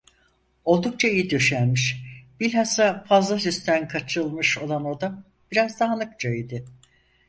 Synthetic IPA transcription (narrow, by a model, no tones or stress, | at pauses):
o̞lˠd̪uk̚t͡ʃʰaijid̪øʃænʲmiʃb̥ilʲɦasafazlˠas̬yst̪ʰænkʰat͡ʃʰɯlˠmɯʃo̞lˠano̞d̪a | b̥iɾazd̪aɦanɯkt͡ʃaid̪ɪ